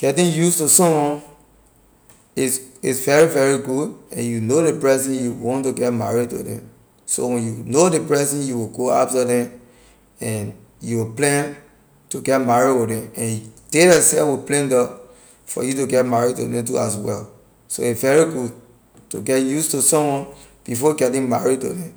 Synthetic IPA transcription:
ɡ̥ɛtĩnjustusɔ̃mwɔ̃n | isḭsvɛɹivɛɹiɡudɛ̰̃njunodepɹɛsĩnjuwɔ̃ntuɡɛtma̰ɹid̚tṵdɛ̰̃m | so̰wɛ̃njunodepɹɛsĩnjuwiɡoa̰ftadɛ̃m | ɛ̃n | juwiplɛ̃n | tuɡɛtmaɹiwidɛ̃mɛ̃nd̥edɛsɛwiplɛ̃ndɔ | fɔ̰jutuɡɛtmaɹid̚to̰dɛ̃mtṵas̬wɛ̰l | so̰itsvɛɹiɡu | tṵɡɛtjustusɔ̃mwɔ̃n | b̥ifɔɡɛtĩŋmaɹid̚to̰dɛ̃m

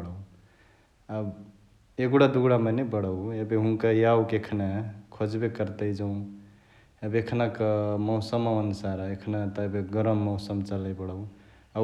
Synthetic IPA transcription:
ɽ | ab | eɡuɽad̪uɡɽamənebəɽəwebeɦunkajaukekʰnakʰod͡ʒbekəɾt̪əjd͡ʒaw̃ | ebekʰnakmɔʊsəməʋənusaɾekʰnat̪əbeɡəɾəmːɔʊsəmt͡ʃələbəɽəw | a

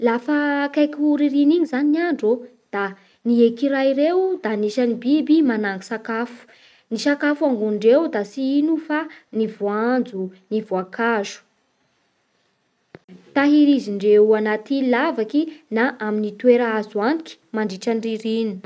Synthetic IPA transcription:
lafakajkʲuɾiɾiniɲizaninaɳɖ͡ʐod̪̥a | niekiɾaiɾewd̪aniʃanibibimanaŋɡusakafu̥ | nisakafuaŋɡunɳɖ͡ʐewd̪asiinufanivuand͡zunivuakʰaʒu̥ | t̪aɦiɾiziɳɖ͡ʐeanat̪ilavakinaʔaminit̪weɾaazuaniki̥maɳɖ͡ʐiʈ͡ʂanriɾini

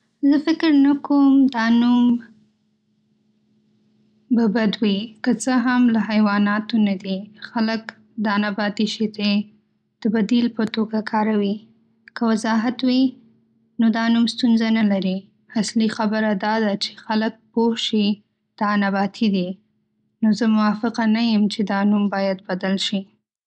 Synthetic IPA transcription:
zəfɪkɾnakomd̪ɑnum | babad̪wikət͡səɦamlahajwɑnɑt̪onad̪ixalək | d̪ɑnabɑt̪iʃit̪e | d̪̥əbad̪ilpət̪oɡakʰɑɾawi | kəwazɑɦat̪wi | nod̪ɑnumst̪unzanalaɾi | aslixabəɾad̪ɑd̪at͡ʃe̥xalək̚pohʃi | d̪̥ɑnabɑt̪ʰid̪i | nozəmʊwɑfɪqanajəmt͡ʃed̪ɑnumbɑjad̪̚bad̪alʃi

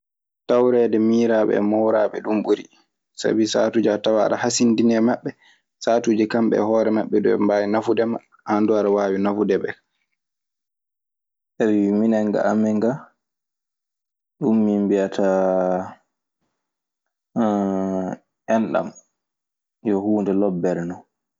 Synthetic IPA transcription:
tawɾɛːdɛmiːɾaɓɛ̰mɔwɾaːɓɛɗumɓuɾi | sa̰bisa̰ːtuːd͡ʒatawaɗa̰hasindinɛmaɓːɛ | saːtuːd͡ʒikamɓɛ̰hɔːɾɛmaɓːɛdɔɛ̰mbaːjinafudɛman | handuaɾawaːwinafudɛɓɛ | ʔewiminɛŋɡa̰ʔamɛŋɡa | ɗumːimbiatʰa | ɛnɗa̰m | jɔhuːndɛlɔbːɛɾnɔ

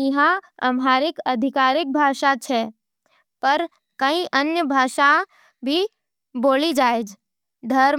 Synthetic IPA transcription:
ɦãɐ̰mɦaːɾɪkɐd̪ʱɪkaːɾɪk̚bʱaːʃat͡ʃʰɛ | pɐɾ | kɐĩʔɐnjəbʱaːʃa | bʱi | boːlid͡ʒaːed͡ʒ | d̪ʱɐɾ

